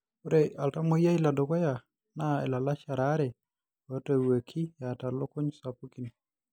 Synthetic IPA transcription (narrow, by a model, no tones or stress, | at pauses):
uɾealtamojailadokaja | naɛ̰lalaʃaɾaɾɛ | watawəkʰijatalokoɲsapukin